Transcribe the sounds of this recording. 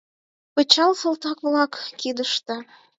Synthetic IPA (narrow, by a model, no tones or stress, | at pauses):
pət͡ɕɑlsə̆lt̪ɑkβlɑkːid̪əʃt̪ĕ